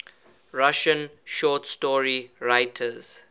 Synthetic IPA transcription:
ɹaʃə̃nʃɔːtstɔɹiɹaɪtʰəz̥

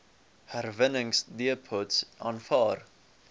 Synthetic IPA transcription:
hærvənəŋsdiəpʰotsʔɑːnfɑːr

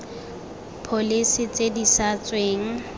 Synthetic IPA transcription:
pʰolisɪt͡sʼedisat͡sʼweːŋ̩

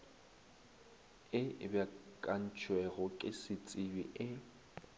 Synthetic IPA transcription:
ɪbjakʼan̩t͡ʃʰwɛɣʊkʼɪsɪt͡sʼɪbiʔɪ

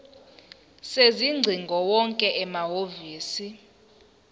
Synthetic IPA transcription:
seziŋ͡ǀʱiŋɡʱɔwɔŋkʼɛʔɛmaɦoviːsi

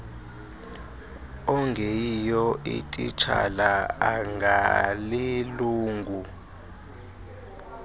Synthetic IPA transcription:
ɔŋɡʱɛjijɔḭtʼit͡ʃʰa̰laaŋɡʱaliluːŋɡʱu

